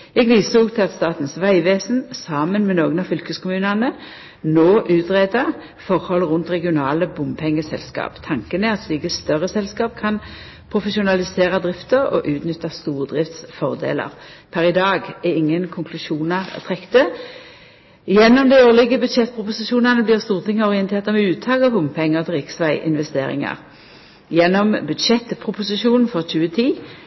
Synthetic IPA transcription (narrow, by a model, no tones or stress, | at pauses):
ɛɡʋiːsuːɡt̪ʰɪlɑt̪st̪ɑːt̪n̩sʋæɪʋeːsn̩sɑːmənmɛnoːɡənɑfʏlkəskʰʊmʉːnɑnə | noːʔʉːt̪ʁeːd̪ɑ | fɔʁhɔlʁʊnt̪ʁɛɡɪʊnɑːləbʊmpʰɛŋːəsɛ̰lskɑ̰ːpt̪ʰɑŋkənɛɑt̪sliːɡəst̪œʁəsɛlskɑːp̚kʰɑn | pʰʁʊfɛʃʊnɑlɪseːʁɑd̪ʁɪft̪əʁɔ̰ʔʉːt̪nʏt̪ːɑst̪uːʁəd̪ʁɪft̪sfɔʁd̪ḛːlə̰ʁpʰæʁɪd̪ɑːɡɛɪŋːənkʰʊŋkʰlʉʃuːnəʁ̰t̪ʰʁɛkt̪ə | jɛnːɔmd̪æɪøːʁlɪɡəbʉd̪ʃɛt̪̚ːpʰʁʊpʊsɪʃuːnɑnəblɪːʁst̪uːʁt̪ʰɪŋːəɔʁɪɛnt̪ʰeːʁt̪ɑmɛʉːt̪ʰɑːɡɑbʊmpʰɛŋːəʁt̪ʰɪlʁɪksʋæɪʔɪ̰nʋɛst̪eːɾɪ̰ŋɑ̰ʁ | jɛnːɔmbʉd̪ʃɛt̪ːpʰʁʊpʊsɪʃuːnn̩fɔʁc͡çʉːət̪ʰiː